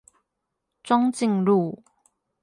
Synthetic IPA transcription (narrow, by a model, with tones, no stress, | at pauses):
t͡sɔ˥ŋt͡ɕi˥˨ŋlu˥˨